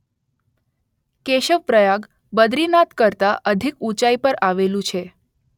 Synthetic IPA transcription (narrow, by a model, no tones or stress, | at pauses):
keʃəʋpɾəjaɡ | bəd̪ɾinat̪kəɾt̪aʔəd̪ʱikũt͡ʃaipəɾaʋelũt͡ʃʰe